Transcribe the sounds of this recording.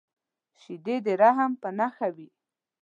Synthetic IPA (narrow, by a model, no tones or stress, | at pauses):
ʃid̪ed̪eɾaɦampənaxawi